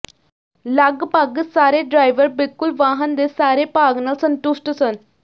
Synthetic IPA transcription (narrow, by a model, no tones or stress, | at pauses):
laɡpaɡəsaɾeɖɾajʋəɾbilkulʋaɦənd̪esaɾepaɡnasənʈusʈəsən